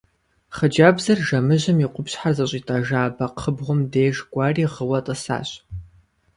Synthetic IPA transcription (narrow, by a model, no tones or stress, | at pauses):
χəd͡ʒaːbzɐrʒɐmɨʑɐmiːqʷʊpɕħarzɐɕʼiːtʼaʒaːbɐqʰəbʁʷʊmdeːʒɡʷʼɑːriːʁəwɐtʼɐsa̰ːɕʼ